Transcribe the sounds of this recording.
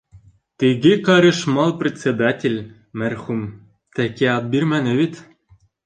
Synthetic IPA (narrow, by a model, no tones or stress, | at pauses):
t̪iɡʲekɑɾɘʂmɑlˠprʲet̪ʲt͡sʲed̪atʲelʲ | mʲærxum | t̪ækʲeɑd̪̚bʲirmænɘ̆βʲit̪